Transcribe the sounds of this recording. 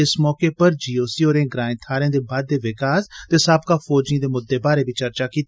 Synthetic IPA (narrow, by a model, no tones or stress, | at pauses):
ɪsmɔːkepɐɾd͡ʒiːoːsioːɾẽːɡɾaːɪ̃t̪ʰaːɾẽːd̪eːbaːd̪̚ːeʋɪkaːst̪esaːbkafɔːd͡ʒĩd̪eːmʊd̪ːebaːɾebʱit͡ʃɐɾt͡ʃakiːt̪